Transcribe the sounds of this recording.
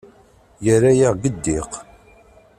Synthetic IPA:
jərːajaʁɡəd̪ːiq

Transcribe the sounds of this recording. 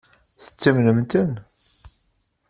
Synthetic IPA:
θə̥t͡sːimnəmt̪ən

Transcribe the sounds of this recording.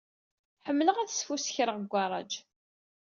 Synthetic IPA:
ħəmːləʁæθsfusə̥çɾəʁəɡʷːɑɾˤɑ̰d͡ʒ

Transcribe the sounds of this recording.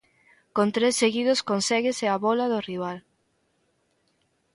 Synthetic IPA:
kont̪ɾesːeɣiðʊskonsɛɣeseaβɔlaðoriβ̞al

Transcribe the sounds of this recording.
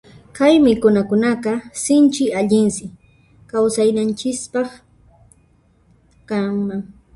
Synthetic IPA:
kajmɪkʊnakʊnaqɑsɪnt͡ʃɪaʎɪnsɪ | kawsajnant͡ʃɪspɑχ | kaŋmaŋ

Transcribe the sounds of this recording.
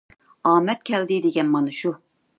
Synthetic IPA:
ɑːmɛt̪̚kʲʰɛld̪ɪd̪eɡʲɛnmɑnɨʃu

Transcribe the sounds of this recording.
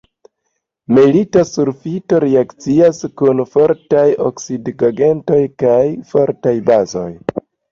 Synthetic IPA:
militasuɾfito̞ɾeakt͡siaskunfo̞ɾtajo̰ksidɡaɡe̞nto̞jkajfo̞ɾtajbazo̞̰j

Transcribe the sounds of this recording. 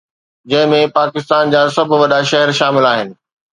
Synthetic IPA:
d͡ʑɐ̃ɦɪ̃mẽpaːkɪst̪aːnd͡ʑaːsɐb̆ʱʋɐɗaʃɛɦɛɾʃaːmɪlaːɦɪnɪ̆

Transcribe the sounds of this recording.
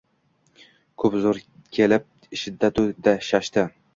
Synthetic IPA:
kʰɵpzʊɾkʲʰelɪp̚ | ɪʃɪd̪ːat̪ʰʊd̪aʃaʃt̪ɪ

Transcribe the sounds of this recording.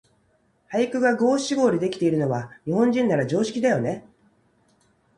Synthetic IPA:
hajikɯ̟ɡaɡo̞ːɕiɡo̞ːɾʲid̪e̞kʲi̥t̪e̞iɾɯ̟no̞βaɲ̟iɦõ̞ɲ̟d͡ʑĩnːaɾad͡ʑo̞ːɕi̥kʲid̪ajo̞ne̞

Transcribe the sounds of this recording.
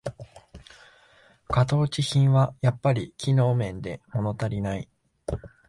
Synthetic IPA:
kat̪o̞ːt͡ɕiçĩɰ̃βajapːaɾʲikʲino̞ːmẽ̞nd̪e̞mo̞no̞t̪aɾʲinai

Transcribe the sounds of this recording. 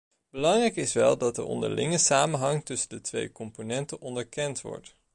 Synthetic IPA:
b̥əlɑŋrɛjkɪsʋɛlˠdɑt̚də̰ʔɔ̰ndə̰ɹlʔɪ̰ŋəsaːmənɦɑŋtɵsəndətʋḛjkɔmponɛntənʔɔndəɹkɛntʋɔ̰ɹt

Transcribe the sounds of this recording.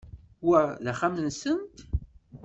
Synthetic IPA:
wæðæχamənsənt̪

